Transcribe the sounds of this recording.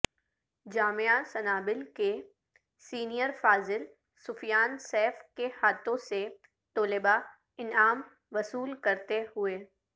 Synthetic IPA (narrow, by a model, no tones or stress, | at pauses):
d͡ʒaːmeasɐnaːbɪlke | siːnijəɾfaːzɪl | sʊfjaːnsɛːfkehaːt̪õse | t̪oːlɪba | ɪnaːm | ʋɐsuːlkɐɾt̪ehʊeː